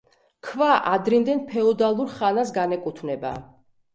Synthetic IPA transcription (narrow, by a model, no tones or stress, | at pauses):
kʰvaʔad̪ɾind̪ɛnpʰɛɔd̪alˠuɾχanasɡanɛkʼut̪ʰvnɛba̰